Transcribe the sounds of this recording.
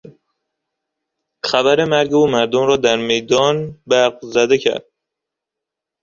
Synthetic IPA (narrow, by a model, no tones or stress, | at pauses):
xæbæɾe̞mæɾɟe̞uːmæɾd̪omɾɒːd̪æɾme̞jd̪ɒːnbæɾɢzæd̪e̞cʰæ̰ɾd̪̥̚